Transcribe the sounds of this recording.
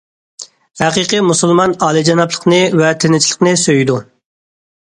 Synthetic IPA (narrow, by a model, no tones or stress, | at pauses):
hæqiqɨmusulˠmɑnɑːlˠid͡ʒɑnɑplˠə̥qnɨvɛt̪ʰenɪt͡ʃʰilˠəqnɨsøjid̪u